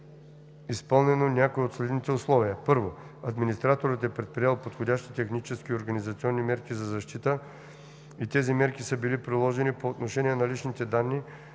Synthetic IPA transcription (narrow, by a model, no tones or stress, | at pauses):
ispɤlˠnɛnonʲakoiot̪slɛd̪nit̪ɛʊslˠɔviəpɤɾvoɐd̪minist̪ɾat̪oɾət̪ɛpɾɛt̪̚pɾijalˠpot̪xodʲaʃt̪i̥t̪ɛxnit͡ʃɛskʲioɾɡɐnizɐt̪siɔnːimɛɾkʲizɐzɐʃt̪it̪ə | it̪ɛzimɛɾkʲisɤbilipɾilˠɔʒɛnipoːt̪noʃɛniɛnɐlit͡ʃnit̪ɛd̪anːi